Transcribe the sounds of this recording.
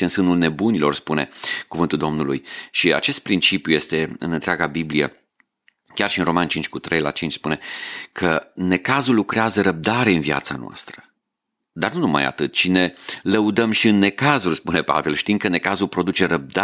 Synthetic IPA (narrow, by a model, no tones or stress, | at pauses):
ɨnsɨnulne̞bunilo̞rspune̞̰kuvɨnt̪uld̪o̞mnulujʃia̰t͡ʃe̞st̪̚pɾint͡ʃipjuje̞st̪e̞ɨ̰nɨnt̪ɾeaɡabiblije̞̰ | kʲarʃiɨnro̞mant͡ʃint͡ʃʲkut̪ɾʔejla̰t͡ʃint͡ʃʲspune̞kʰəne̞kazulːukɾeazəɾəb̚d̪aɾe̞ɨnvia̰t̪sanoa̰st̪ɾə̥ | d̪arnunuma̰ja̰t̪ɨt̪t͡ʃine̞ləud̪əmʃiɨnːe̞kazurʲspune̞pa̰ve̞lʃt̪iŋkəne̞kazulpɾo̞d̪ut͡ʃe̞ɾəb̚d̪a